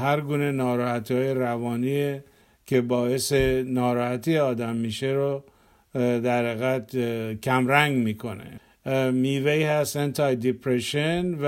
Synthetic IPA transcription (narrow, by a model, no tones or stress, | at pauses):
hæɾɡuːne̞nɒːɾɒːhæt̪ʰihɒːjeɾævɒːniːe | kʰe̞bɒːe̞senɒːɾɒːhæt̪ʰijeɒːd̪æmːiːʃeɾo | d̪æɾheɣæd̪kʰæmɾæŋɡmiːkʰo̞nḛ | miːveihæst̪ent̪ʰɑjd̪ipʰɾeʃenv